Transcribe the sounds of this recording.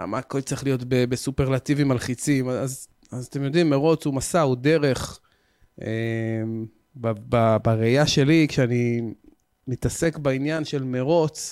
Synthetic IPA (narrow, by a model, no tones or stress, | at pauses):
a̰maːko̞lt͡saʁiχlijo̞t̪bebesupeʁlat̪ivimalχit͡simaaz | azat̪e̞mjo̞d̪imːe̞ʁo̞t͡sumasaud̪e̞ʁe̞χ | em | bababaʁejaʃe̞likʃeani | mit̪ase̞kbainjanʃe̞lmeʁo̞t͡s